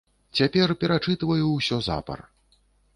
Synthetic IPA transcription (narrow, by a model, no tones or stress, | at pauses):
t͡sʲapʲɛrpʲɛɾat͡ʂɨt̪ɨvɐjusʲɔza̰pɐ̰r